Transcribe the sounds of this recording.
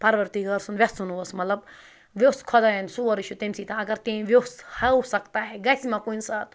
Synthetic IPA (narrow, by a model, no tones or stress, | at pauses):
pɐɾʋɐɾt̪iɡɐɾsunʋʲesunuʋɐsmɐt̪lɐb | ʋeskʰɔd̪ajɐnsuʋɐɾiʃut̪emsit̪ãɐɡɐɾt̪ẽʋeshɐwsɐkt̪aɦɛɡɐsimãkunsaːt̪